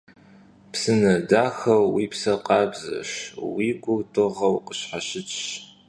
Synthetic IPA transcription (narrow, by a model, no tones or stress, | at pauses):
psɨnɐdaːxɐwwiːpsɐqʼɑːbzɐ̰ʃwiːɡʷʊtʼɨʁɐwqəɕħaɕɪt͡ʃʼɕ